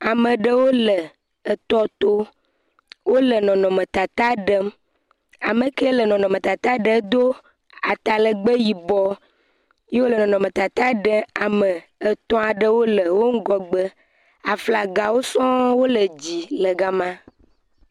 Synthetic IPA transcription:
a˨mə˨ɖə˦wo˦lə˨ | ə˨t̪ɔ˦t̪o˦ | wo˦lə˨nɔ̃˨nɔ̃˨mə̃˨t̪a˨t̪a˦ɖə˦m | a˨mə˨kə˦lə˨nɔ̃˨nɔ̃˨mə̃˨t̪a˨t̪a˦ɖə˨˦d̪o˦ | a˨t̪a˨lə˨ɡ͡bə˦ji˨bɔ˦ | je˦wo˦lə˨nɔ̃˨nɔ̃˨mə̃˨t̪a˨t̪a˦ɖə˦a˨mə˨ | ə˨t̪ɔ̃˦a˨ɖə˦wo˦lə˨wo˦ŋ̩˦ɡɔ˦ɡ͡bə˦ | a˨fla˨ɡa˨wo˦sɔ̃˦wo˦lə˨d͡ʑi˨lə˨ɡa˨mã˦

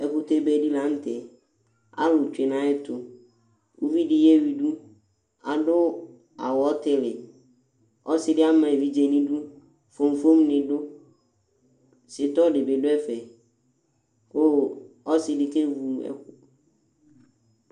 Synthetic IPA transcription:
ɛ˨ɸu˦t̪e˦be˦di˦la˨˦n̩˦t̪e˨ | a̰˦lʊ˨t͡ʃᶣe˨nã˨ɛ˦t̪ʊ˨ | u˦vi˦ɖɪ˨jɛ˦wi˨ɖu˦ | a˨ɖʊ˦ | a̰˨wɔ˨˦t̪ɪ˨lɪ˨ | ɔ˦sɪ˦dɪ˦a˦mɛ̃˨vi˨d͡ʒe˨nĩ˦ɖu˦ | fo˨m˨fo˦mnɪ̃˨ɖʊ˦ | sɪ˨t̪ɔ˦ɖɪ˨be˨ɖʊ˦ɛ˦fɛ˨ | ko˦ɔ˦sɪ˨dɪ˨ke˦vu˦ɛ̰˦ku˨

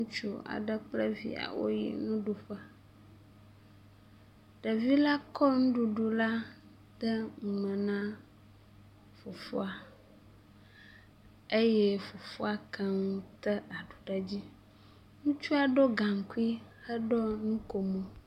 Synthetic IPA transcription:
ŋũ˦t͡ʃu˦a̰˨ɖə˦k͡plə˦vḭ˨a̰˨wo̰˦jḭ˨nũ˦ɖu˨ɸa˨ | ɖ̥ə˨vi˦la˦kʰɔ˦ŋũ˦ɖu˨ɖo˨la˦ | d̪̥ə˦ŋu˨mə̃˨nã˦ | fo˨fo˦a˨ | e˦je˦fo˨fo˦a˨kʰə˦ŋũ˦t̪ə˦a˨ɖo̥˨ɖa˨d͡ʑi˦ | ŋũ˦t͡ʃu˦a˨ɖo˦ɡa˨ŋ̩˨ku˦i˦hə˦ɖɔ˦nũ˦ko˨mə̃˨

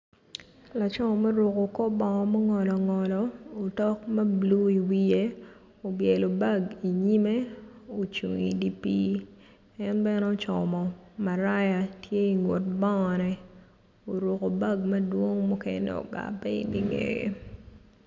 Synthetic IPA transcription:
la˨t͡ʃɔ˦mɔ˨mɛ˦ɾʊ˨ko˨kɔ˦bɔ˨ŋɔ˨ma˦ŋɔ˨lɔ˨ŋɔ˨lɔ˨o˨tɔ˦kma˦blu˦i˨wije˦ | o˨bjɛ˨lo˨ba˦˨ɡi˨ɲi˦me˦o˨t͡ʃṵ˨ŋḭ˨di˦pi˦ | ɛ˦nbɛ˦no˦t͡ʃɔ˨mɔ˨ma˨ɾa˦ja˨tje˦i˨ŋo˨t̚bɔ˦ŋɔ˨nɛ˨ | o˨ɾo˨ko˨ba˦ɡmɐ˦dwo˦ŋmu˦kɛ˦nɛ̰˦o̰˨ɡa̰˨pːɛ˦ḭ˨nḭ˨ŋḛɡḛ˦

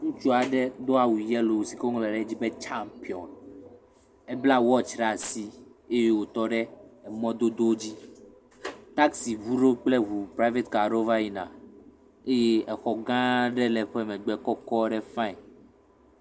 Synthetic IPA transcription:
ŋũ˦t͡ʃu˦a˨ɖɛ˦d̪o˦a˨wu˨jɛ˦lo˨wo˨si˨ko˦ŋlɛ˨ɖɛ˦d͡ʑi˦be˦t͡ʃa˦mpi˨ɔ˨n | ɛ˦bla˦wɔ˦t͡ʃɾa˨si˦e˦je˦wo˨t̪ɔ˦ɖɛ˦ɛ˨mɔ̃˦d̪o˦d̪o˦d͡ʑi˦ | t̪a˦ksi˨vu˦ɖo˦k͡ple˦ɦu˨pɾa˦ve˦t̪ka˨ɾo˦va˦ji˦nã̰˨ | e˦je˦ɛ˨xɔ˨ɡã˦ɖɛ˦lɛ˨ɸɛ˦mɛ̃˨ɡ͡bɛ˨˦kɔ˦kɔ˦ɖɛ˦fã˦ɛ˨

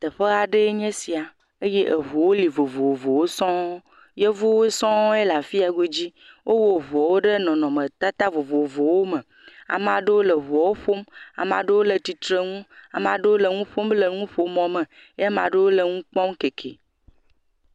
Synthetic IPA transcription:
t̪ə˨ɸe˦a˨ɖe˦ɲɛ̃˦si˨a˨ | e˦je˦ʔe˨vo˨wo˦li˨vo˨vo˨wvo˨wo˦sɔ̃˦ | je˦vo˦wo˦sɔ̃˦e˦la˨fi˦a˨ɡo˦d͡ʑi˦wʔo˦wo˨vɔ˨wo˦ɖe˦nɔ̃˨nɔ̃˨mə̃˨t̪a˦t̪a˦vo˨vo˨vo˨wo˦mə̃˨ | a̰˨m˦a˨ɖe˦wo˦lə˨vɔ˨wo˦ɸo˦ma̰˨ma̰˨ɖe˦wo˦lə˨t̪i˨t̪ɾe˦ŋũ˦a˨ma˨ɖe˦wo˦lə˨ŋũ˦ɸo˦mle˨ŋũ˦ɸo˨mɔ̃˨mə̃˨ | jmã̰˨ɖe˦wo˦le˨ŋũ˦k͡pɔ˦mke˨kʰḛ˨

